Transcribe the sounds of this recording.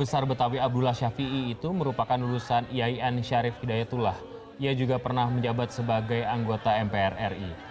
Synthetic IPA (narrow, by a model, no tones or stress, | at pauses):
bəsarbət̪awiab̚dulahʃafiːt̪uməɾupakanlulusaniaiɛnʃaɾɪfidajat̪ulah | iad͡ʒuɡapərnahməɲd͡ʒabat̪̚səbaɡajaŋɡot̪aɛmpeɛrɛri